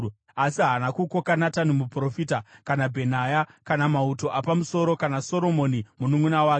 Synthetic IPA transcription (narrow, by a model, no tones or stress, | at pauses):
asiɦanakuko̞kanatanimupro̞fitakanabʱe̞najakanamauto̞ʔapamuso̞ɾo̞kanaso̞ɾo̞mo̞nimunumunawaːk